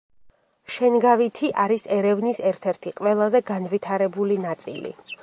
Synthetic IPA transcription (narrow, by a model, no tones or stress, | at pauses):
ʃɛnɡavit̪ʰiʔaɾisɛɾɛvnisɛɾt̪ʰɛɾt̪ʰiqʼʋɛlˠazɛɡanvit̪ʰaɾɛbulinat̪sʼḭlḭ